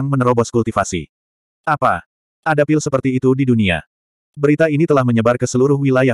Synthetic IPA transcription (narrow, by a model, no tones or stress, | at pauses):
ŋmənɾobɔskult̪ifasḭ | ʔapa | ʔadapilsəpərt̪iːt̪udidunia̰ | bəɾit̪ainit̪əlahməɲəbarkəsəluɾʊhwilaja